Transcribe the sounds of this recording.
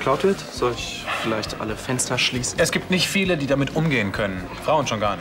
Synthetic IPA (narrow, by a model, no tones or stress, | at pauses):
kʰl̥aʊtv̥ɪɐtz̥ɔltɪç | fɪlaɪçtʔa̰ləfɛnstɐʃliːsn̩ʔɛsɡ̥iːp̚tnɪçtfiːlədiːdamɪtʔʊmɡeːənkʰœnən | fʁ̥aʊənʃoːnɡaɐn